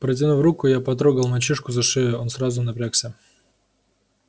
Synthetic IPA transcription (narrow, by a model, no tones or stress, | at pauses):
pɾətʲɪnuvɾukʊjapɐt̪̬ɾoɡəlˠmɐt͡ɕiʂkʊzɐʂɪɪo̞nsɾazʊnɐpɾʲaksʲə